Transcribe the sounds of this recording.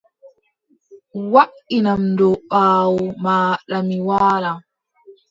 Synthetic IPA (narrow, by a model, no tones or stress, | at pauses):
waʔinamndɔɓaːwɔmaːɗamiwaːla